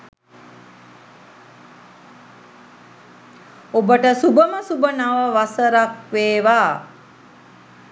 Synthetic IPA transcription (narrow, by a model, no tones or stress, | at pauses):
obəʈəsubəməsubənaʋəʋasəɾakʋeːʋaː